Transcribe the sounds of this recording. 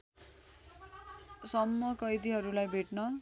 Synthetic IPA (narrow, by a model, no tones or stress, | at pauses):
sʌmːʌkʌjd̪iɦʌɾulajbʱeʈnʌ